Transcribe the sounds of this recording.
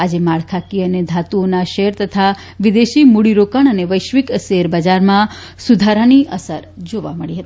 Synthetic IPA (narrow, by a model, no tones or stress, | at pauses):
ad͡ʒemaɭkʰakiəned̪ʱat̪uonaʃeɾt̪ət̪ʰa | ʋid̪eʃimuɽiɾokəɳ̃əneʋəjʃʋikseɾbəd͡ʒaɾmã | sud̪ʱaɾaniʔəsəɾd͡ʒoʋa̰məɭiɦət̪i